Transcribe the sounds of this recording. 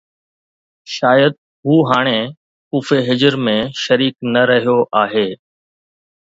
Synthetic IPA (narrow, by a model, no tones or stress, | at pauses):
ʃaːjəd̪̚ | ɦuːɦaːɽ̃eː | kuːfeːɦɪd͡ʒəɾmẽːʃəɾiːknəɾəɦijoːʔaːɦeː